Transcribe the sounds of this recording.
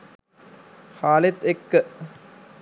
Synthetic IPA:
xaːlet̪ekːə

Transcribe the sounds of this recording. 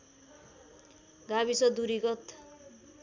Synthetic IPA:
ɡaβisʌd̪uɾiɡʌt̪

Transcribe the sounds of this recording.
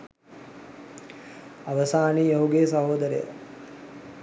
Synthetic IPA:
ɐʋəsaːnijɐɦuɡeːsɐɦoːd̪əɾḛjə̰

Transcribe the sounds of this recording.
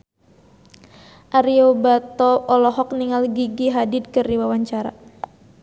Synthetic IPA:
ʔaɾiobat̪ɔɔlɔɦɔk̚niŋalɡiɡiɦadid̪̚kɨrdiwawaɲt͡ʃaɾa̰

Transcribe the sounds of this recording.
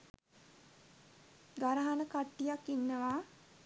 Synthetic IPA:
ɡaɾaɦanəkaʈːijakːinːəʋaː

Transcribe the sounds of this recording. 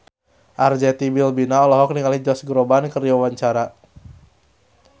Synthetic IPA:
ʔard͡ʒɛt̪ibilbinaɔlɔɦɔk̚niŋalid͡ʒɔsɡɾɔbankəriwawaɲt͡ʃaɾa

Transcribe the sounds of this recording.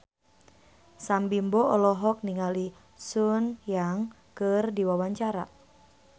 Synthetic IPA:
sambimbɔɔlɔɦɔk̚niŋali | sunjaŋ | kɨrdiwawaɲt͡ʃaɾa̰

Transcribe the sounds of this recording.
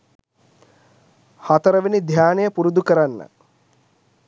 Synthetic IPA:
hɐt̪ɐɾɐʋinid̪ʱjaːnɐjəpuɾud̪ukəɾanːə̰

